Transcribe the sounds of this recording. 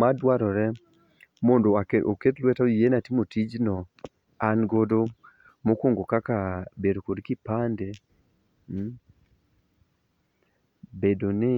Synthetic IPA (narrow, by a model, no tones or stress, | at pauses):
madwaɾɔɾɛ | mondoaoketlwɛtaoijenatimotid͡ʒnɔ | anɡodo | mokoŋɡokakabedokodkipande | bedonɪ